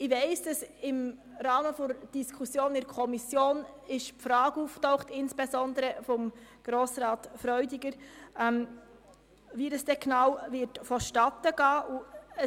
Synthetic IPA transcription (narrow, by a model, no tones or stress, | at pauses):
ɪvɛɪsd̥ɑsɪm | rɑːməfɔd̥iskʰusjoːnɪɾkʰɔmisjoːnɪʃpfɾɑːɡuːftɔʊχtɪnsb̥esɔndəɾəfɔmɡ̥ɾoːsɾɑːtfɾœʏdiɡəɾʔɛm | vidɑsd̥ɛknɑːwvɪtfɔʃtɑtəɡ̥ɑːʔuə